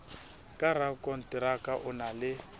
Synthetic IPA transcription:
kʼaɾakʼɔn̩tʼɪɾakʼaʔʊnalɪ

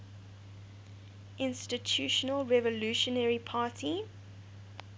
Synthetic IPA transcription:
ʔɪ̃nstitʰuːˑʃənəlˠɹɛvəluˑʃɔnɛɹipʰaːˑtʰi

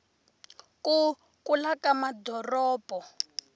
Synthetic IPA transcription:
ku | kʼulakamadʱɔrɔːbʱɔ

